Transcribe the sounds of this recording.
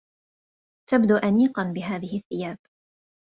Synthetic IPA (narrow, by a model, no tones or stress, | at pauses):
t̪abd̪uːʔaniːqɑnbɪɦaːðɪhɪθːɪjaːb̥